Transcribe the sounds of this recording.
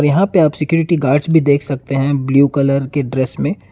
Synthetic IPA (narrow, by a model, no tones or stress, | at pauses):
ɔːɾjɐɦãpeaːpsɪkjuːɾɪʈiɡaːɾɖsbʱid̪eːkʰsɐk̚t̪eɦɛ̃bljuːkɐləɾkeɖɾeːsmẽ